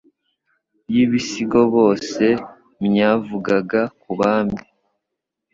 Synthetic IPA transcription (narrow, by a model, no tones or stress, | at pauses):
bjiβisiɡo̞βo̞ːse̞ | mɲaːvuɡaɡakuβaːmbi